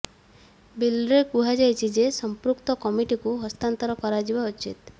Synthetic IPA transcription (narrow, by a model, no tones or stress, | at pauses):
bilɾekuɦad͡ʒajt͡ʃʰid͡ʒesɔmpɾukt̪ɔkɔmiʈikuɦɔst̪ant̪ɔɾɔkɔɾad͡ʒibaot͡ʃʰḭt̪̚